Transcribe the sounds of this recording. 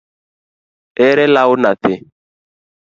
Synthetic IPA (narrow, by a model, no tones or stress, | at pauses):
ɛɾɛlaʊnaθɪ